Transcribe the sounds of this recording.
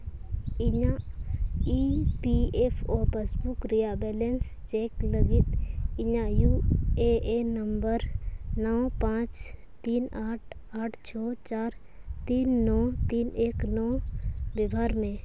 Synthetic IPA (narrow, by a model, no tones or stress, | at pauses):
ɪɲã | ipieːpʰoːpeːsbukɾijabɛːlens | t͡ʃeːkləɡɪt̪ɪɲajuːeʔenəmbəɾnɔːpãːt͡ʃ | t̪iːnaːʈʰ | aːʈʰt͡ʃʰɔːt͡ʃaːɾ | t̪iːnːɔːt̪iːneːknɔːbɪbʱaːɾmẽː